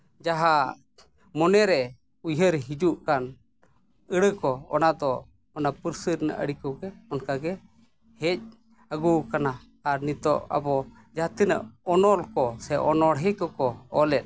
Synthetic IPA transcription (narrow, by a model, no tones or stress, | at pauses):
d͡ʒaɦa | mɔnɛɾɛ | ujɦəɾɦid͡ʒuʔkan | əɽəkɔɔnad̪ɔː | napəɾsəɾna̰ʔə̰ɽikɔɡɛɔnkaɡɛ | hɛc̚ | əɡukana | aɾnit̪ɔ̰ʔa̰bɔ | d͡ʒaɦat̪inə̰ʔɔnɔlkɔsɛʔɔnɔɽɦəkɔkɔɔlɛt̚